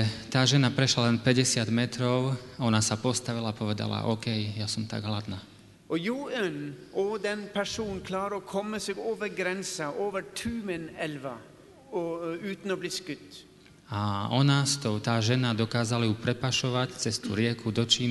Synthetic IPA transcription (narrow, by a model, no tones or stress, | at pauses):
t̪aːʒɛnapɾɛʃlalɛnpɛɟɛsɪad̪mɛt̪ɾɔʊɔnasapɔst̪aʋilapɔʋɛd̪a̰la̰ʔɔːkɛjjasɔmt̪a̰ɡɦlad̪naː | ʔɔjuːɛnɔd̪ɛnpʰæʂuːnkʰlɑːɾəɔkʰɔmːəseːɡoːʋəɾɡɾɛnsəʔoːʋəʈʰʉːmənɛlʋa | ʉːt̪n̩ɔːbliːskʉt̪ | aɔnast̪ɔʊt̪aːʒɛnad̪ɔkaːzalajupɾɛpaʃɔʋact͡sɛst̪ṵɾɪɛkud̪ɔt͡ʃiːn